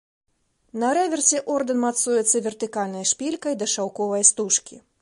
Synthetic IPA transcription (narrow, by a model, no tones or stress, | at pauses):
nɐɾɛvʲɛrsʲɛʔɔrd̪ɛnmat̪sujɛt̪sːɐvʲɛrt̪ɨkalʲnɐjʂpʲilʲkɐjd̪ɐʂawkɔvɐjst̪uʂkʲi